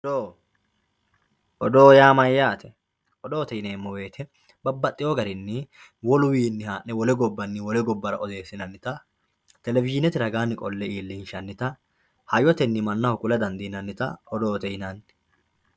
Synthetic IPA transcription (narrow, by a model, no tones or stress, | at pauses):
ɔd̪oː | ʔɔd̪oːjaːmɐjːaːt̪ɛ | ɔd̪oːt̪ɛjneːmːɔwe̞ːt̪ʰɛ | bɐbːɐt̪ʼːɪjɔɡɐɾɪnːɪ | wɔlʊwiːnːɪhaːnːɛwɔlɛɡɔbːɐnːɪwɔlɛɡɔbːɐɾɐ̰ʔɔd̪e̞ːsɪnɐnːɪt̪ɐ | t̪ɛlɛvɪʃɪnɛt̪ɪɾɐɡaːnːɪkʼɔlːɛʔiːlːɪnʃɐnːɪt̪ɐ | hɐjɔt̪ɛnːɪmɐnːɐhɔkʊlɐd̪ɐnd̪inɐnːɪt̪ɐɔd̪oːt̪ɛjnɐn